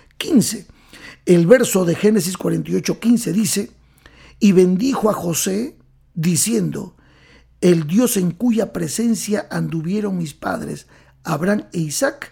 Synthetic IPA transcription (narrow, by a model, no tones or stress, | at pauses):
kinse | elβe̞ɾso̞ðexe̞nes̬iskwaɾe̞nt̪ajo̞t͡ʃo̞kinse̞ðise̞ | iβe̞nd̪ixo̞axo̞se̞ | ðisje̞nd̪o̞̰ | eld̪jo̞se̞ŋkuʝapɾe̞se̞nsjaʔand̪uβje̞ɾo̞ŋmispa̰ðɾe̞̰s | aβɾaŋeisak